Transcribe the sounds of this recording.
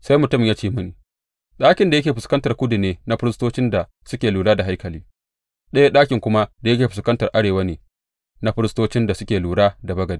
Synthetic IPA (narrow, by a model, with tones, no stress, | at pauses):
sa˦jmʊ˨tʊ˦m˨jaː˦t͡ʃeː˦mʊ˦neː˨ | ɗaː˦kʲɪ˨nda˨jɐ˦kʲeː˨ɸɪ˨skɐ˦ntɐ˨rkʷʊ˦dʊ˨neː˦na˦ɸɪ˦ɾɪ˦stoː˦t͡ʃɪ˦nda˨ | sʊ˦kʲeː˨luː˨ɽaː˦da˨ɦa˦jkɐ˨liː˦ | ɗɐ˦ja˦ɗaː˦kʲɪ˨ŋkʷʊ˦ma˦da˨jɐ˦kʲeː˨ɸɪ˨skɐ˦ntɐ˨rʔa˦ɽeː˨wa˦neː˨ | na˦ɸɪ˦ɾɪ˦stoː˦t͡ʃɪ˦nda˨sʊ˦kʲeː˨luː˨ɽaː˦da˨bɐ˦ɡɐ˨dː